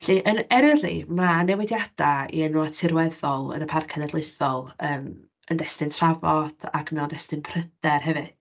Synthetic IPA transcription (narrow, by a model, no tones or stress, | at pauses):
ɬiʔənɛɾəɾḭmanɛwɪdjad̥aḭənɔatʰɪɾwɛðɔlˠə̰nəpʰarkʰənɛdlˠɨɨθɔlˠəːm | əndɛstɨntʰr̥avɔd̥a̰kʰmɛwndɛstɨnpʰrəd̥ɛrɦɛvɨ